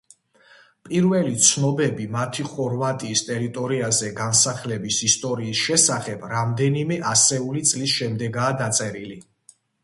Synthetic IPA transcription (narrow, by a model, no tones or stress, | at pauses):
pʼiɾvɛlit̪sʰnɔbɛbimat̪ʰiχɔɾvat̪ʼiːst̪ʼɛɾit̪ʼɔɾiazɛɡansaχlɛbisist̪ʼɔɾiːsʃɛsaχɛb̥ɾamd̪ɛnimɛʔasɛulit̪sʼlisʃɛmd̪ɛɡaːd̪at̪sʼɛɾili